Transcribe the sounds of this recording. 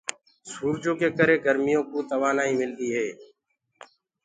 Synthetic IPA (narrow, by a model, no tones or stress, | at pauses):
suːɾd͡ʒõːkeːkəɾeːɡəɾmɪjõːkoːt̪əʋaːnaːiːmɪlt̪iːɦeː